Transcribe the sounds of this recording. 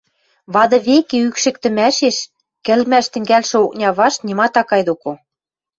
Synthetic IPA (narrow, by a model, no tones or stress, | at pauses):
βɑd̪ɤ̆βekeykʃɘ̆k̚t̪ɘ̆mæʃeʃ | kɘ̆lmæʃt̪ɘ̆ŋɡælʃɘ̆ok̚nʲɑβɑʃt̪nʲimɑt̪ɑkɑjd̪oko